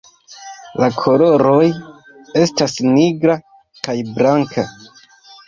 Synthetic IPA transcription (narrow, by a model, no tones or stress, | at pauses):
lakʰo̞lo̞ɾo̞j | e̞stasniɡɾa | kajbɾaŋkʰa